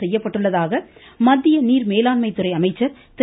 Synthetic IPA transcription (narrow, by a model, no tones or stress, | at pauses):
ɛjːɐpːɐʈːɯɭːɐðaːɣɐmɐd̪ːɪjɐniːɾmeːlaːnmɐɪt̪ːɯɾɐɪɐmɐɪt͡ʃːɐɾ | t̪ɪ